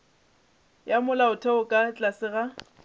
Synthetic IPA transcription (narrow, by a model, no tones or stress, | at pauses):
jamʊlaʊtʰɛʊkʼat͡ɬʼasɪɣa